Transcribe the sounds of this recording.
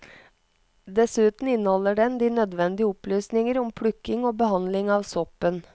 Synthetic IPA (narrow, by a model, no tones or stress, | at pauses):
d̪ɛsʉːt̪n̩ɪnːəhɔlːəɖɛnd̪iːnœd̪ʋɛnd̪ɪəʊplyːsnɪŋəɾʊmpʰɽʉkːɪŋoːbəɦɑnd̪lɪŋɑːʋsɔpːən